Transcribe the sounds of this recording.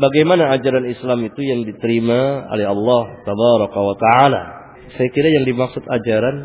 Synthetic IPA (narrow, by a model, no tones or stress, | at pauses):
baɡajmanaːd͡ʒaɾanislamit̪ujaŋdit̪əɾimao̰lɛɦɑlːɑht̪abaɾɔkawat̪aʕala̰ | sajakiɾajaŋdimaksʊt̪ad͡ʒaɾan